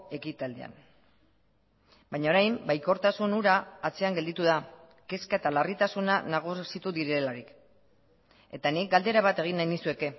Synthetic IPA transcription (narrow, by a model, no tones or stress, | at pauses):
e̞kit̪ald̪ia̰n | bajɲao̞ɾajmbajko̞ɾt̪asunuɾaːt͡se̞aŋɡed̪it̪uða | ke̞skae̞t̪alarit̪asunanaɣ̞usit̪uðiɾelaɾik | e̞t̪anik̚ɡald̪e̞ɾaβat̪e̞ɣ̞inːajnd̪isue̞ke̞